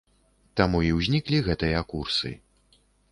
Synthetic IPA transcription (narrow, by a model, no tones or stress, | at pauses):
t̪amuiwzʲnʲiklʲiɣɛt̪ɨjɐkursɨ̰